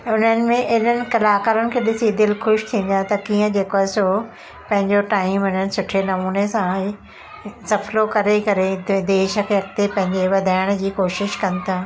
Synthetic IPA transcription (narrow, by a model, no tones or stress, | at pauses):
ʊn̤ənɪ̆mẽʔɐɦɪn̤ənɪ̆kɐlaːkaːɾʊnɪ̆kʰeːɗɪsid̪ɪlxʊʃt̪ʰĩːn̆d̪at̪ɐkiːə̃d͡ʑeːkoaːɪso | pɐ̃ɦɪ̃ɲd͡ʑoʈaːimʊn̤ənɪ̆sʊʈʰenɐmuːnesã | sɐflokɐɾekɐɾed̪eːʃə̆kʰeɐk̚t̪epɐ̃ɦɪ̃ɲd͡ʑeʋɐd̪ʱaːɪɽ̃d͡ʑiːkoːʃɪʃkɐnɪ̆t̪ʰaː